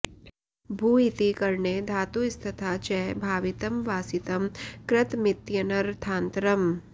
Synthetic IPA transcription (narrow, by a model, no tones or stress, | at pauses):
bʱuːit̪ikɐɾɳed̪ʱaːt̪ust̪ʰɐt̪ʰat͡ʃɛːbʱaːʋɪt̪əmʋaːsɪt̪ɐmkɾɪt̪mɪt̪jɐnəɾt̪ʰãːnt̪ɾəm